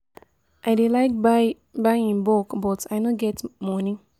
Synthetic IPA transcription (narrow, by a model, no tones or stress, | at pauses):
ʔajdelaɪk̚a | baɪĩnbɔkbɔtʰajnoɡɛtmɔnĩŋ